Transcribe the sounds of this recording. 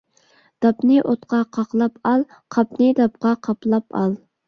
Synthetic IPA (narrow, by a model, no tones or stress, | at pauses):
d̪̥ɑpnɨʔot̪qʰɑqʰɑqlˠɑpʰɑlˠ | qʰɑpnɨd̪ɑp̚qʰɑqʰɑplˠɑpʰɑ̰lˠ